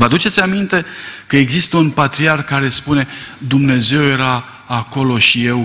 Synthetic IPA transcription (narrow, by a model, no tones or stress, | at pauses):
vad̪ut͡ʃet̪sʲamint̪e̞kəe̞ɡzist̪əunpat̪ɾiarkːaɾe̞spune̞d̪umne̞ze̞wje̞ɾaː | ko̞lo̞ʃije̞w